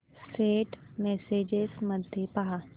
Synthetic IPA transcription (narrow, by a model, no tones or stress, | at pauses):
seːʈmɛsed͡ʒesməd̪ʱjepaɦa